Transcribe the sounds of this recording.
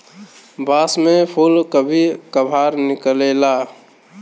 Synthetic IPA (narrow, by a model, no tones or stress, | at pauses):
baːsmẽpʰulkəbʱikəbʱaːɾnɪkəlela